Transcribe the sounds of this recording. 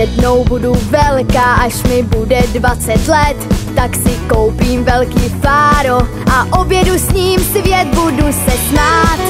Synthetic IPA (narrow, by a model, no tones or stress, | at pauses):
jɛdno̞wbuduvɛlkaːʔaʃmɪbudɛdvat͡sɛt̪lɛt̪ːaksɪkowpiːmvɛlkiːfaːɾo | ʔaʔobjɛdusɲiːmsvjɛt̪̚budusɛsmaːt̪